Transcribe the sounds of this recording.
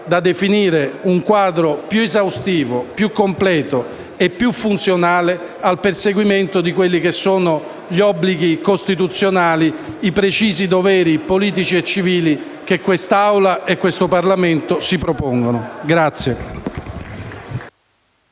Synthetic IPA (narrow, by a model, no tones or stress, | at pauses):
d̪ad̪efiniːɾeuŋkwaːd̪ɾopjuezawst̪iːvopjukːomplɛːt̪o | epːjufːunt̪sjonaːle | alperseɡwiment̪od̪ikwelːikesːoːno | ʎiɔbːliɡikost̪it̪̬ut̪sːjonaːliipɾet͡ʃiːzid̪ovɛːɾipoliːt̪̬it͡ʃiet͡ʃːiviːli | kekːwest̪aawlaʔekːwest̪oparlament̪osipɾopoŋɡonoɡɾat̪sːje